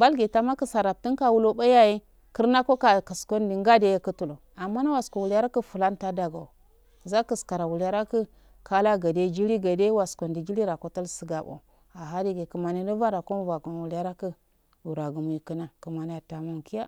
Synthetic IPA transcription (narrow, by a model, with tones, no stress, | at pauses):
ba˦lɡe˨ta˦ma˦kə˦sa˨ɾa˨p̚ti˦nka˦wu˦lo˦ɓa˦ja˦ji˦ | kə˦ɾna˦ko˦ka˨kə˨sko˦ndi˨ŋɡa˦de˦ja˦kə˦tu˨lo˨ | a˨mːa˦na˦wa˨sko˨wu˨la˦ɾa˦kə˦fu˨la˦nta˦da˨ɡa˨ | za˦kə˨ska˨ɾa˨wu˨la˦ɾa˦kə˦ | ka˦la˦ɡa˨de˦d͡ʒi˦li˦ɡa˨de˦wa˨sko˨ndi˨d͡ʒi˦li˦ɾa˨ko˦ta˦lsə˨ɡa˨bo̰˨ | a˨ɦa˦di˦ɡe˨kə˨ma˨ni˦nə˦va˦ɾa˨ko˦m˦va˨ɡo˨n˨wu˨lja˦ɾa˦kə˦ | u˨ɾa˨ɡu˨mu˨ji˨kə˦na˨kə˨ma˨ni˨ja˨ta˨mo˨nki˦ja˦